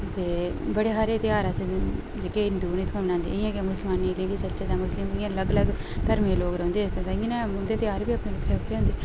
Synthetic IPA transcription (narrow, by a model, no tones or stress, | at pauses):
t̪eːbəɽeːɦaːɾeːt̪ɪjaːɾəse | d͡ʒeːkeːɪnd̪uːniːt̪ʰoːnãːnd̪ḭːɪjãːkːmʊsəlmaːnileːkiːt͡ʃəlt͡ʃeːd̪aːmʊslɪmɪãːləɡələɡ | t̪əɾmẽːloːɡɾə̃ːnd̪eːsd̪anɛ̃ːʊ̃nd̪eːt̪ɪjaːɾbiːəpneːlɪkʰɾeːkʰɾeːɦʊ̃ːnd̪eː